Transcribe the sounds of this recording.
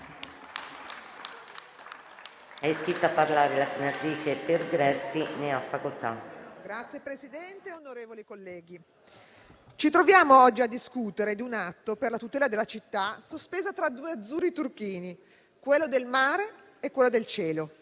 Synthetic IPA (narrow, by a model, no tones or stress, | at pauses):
ɛskit̪ːapːarlaːɾelasenat̪ɾiːt͡ʃeperɡɾɛsineafːakolt̪a̰ɡ̥ɾat̪sjepɾezid̪ɛnt̪eonoɾeːvolikolːɛːɡi | t͡ʃit̪ɾovjaːmoɔd͡ʒːiad̪ːiskut̪eɾed̪iunat̪ːoperlat̪ut̪ɛːlad̪elːat͡ʃit̪ːasospeːzat̪ɾad̪uːead̪zːuːrit̪urkiːni | kwelːod̪elmaːɾe | ekwelːod̪elt͡ʃɛːlo